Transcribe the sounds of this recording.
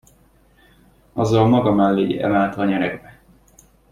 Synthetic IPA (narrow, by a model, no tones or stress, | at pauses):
ɒzːɒlmɒɡɒmalːeːɟɛ̰maːlt̪ɒːɲɛɾɛɡbɛ